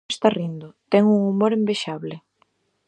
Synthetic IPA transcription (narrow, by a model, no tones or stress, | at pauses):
st̪arind̪ʊt̪ɛŋuŋumoɾembeʃaβlɪ